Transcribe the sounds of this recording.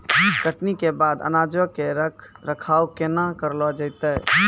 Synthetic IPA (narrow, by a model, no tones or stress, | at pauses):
ɡəʈnikebad̪ə̰nad͡ʒəkeɾ | ɾəkʰawkenakəɾlɔd͡ʒəɪt̪ə